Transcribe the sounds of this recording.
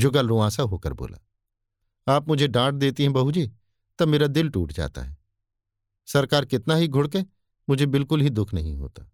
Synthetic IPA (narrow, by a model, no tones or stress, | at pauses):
d͡ʒʊɡəlɾõãːsaɦoːkə̰ɾbo̰ːla̰ː | aːpmʊd͡ʒʱeɖãːʈ̚d̪eːt̪iɦɛ̃bɐɦud͡ʒiː | t̪ɐmeːɾad̪ɪlʈṵːʈd͡ʒa̰ːt̪a̰ɦɛː | sɐɾkaːɾkɪt̪naɦiɡʱʊɽkẽː | mʊd͡ʒʱebɪlkʊlɦid̪ʊkʰnɐɦĩɦo̰ːt̪aː